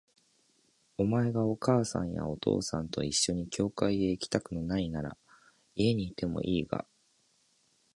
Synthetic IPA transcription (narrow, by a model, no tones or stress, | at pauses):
o̞mae̞ɡao̞kaːsã̰ɰ̃ja̰o̞t̪ʰo̞̰ːsãnt̪o̞iɕːo̞ɲ̟ikʲo̞ːkaieikʲi̥t̪akɯ̟no̞nainaɾa̰ | ie̞ɲ̟iːt̪e̞mo̞̰ʔiːɡa̰